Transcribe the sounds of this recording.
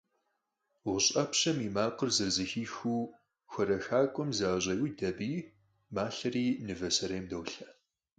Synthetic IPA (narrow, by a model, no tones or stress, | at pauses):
wʊɕʼɐpɕɐmimaːqərzɨrzɨxiːxuː | xʷɔɾɐxaːkʷʼɔmzaːʑʷʼɐjwdɐbiː | maːɬɐriːnɨvɐsɐɾeːmdɐwɬɐ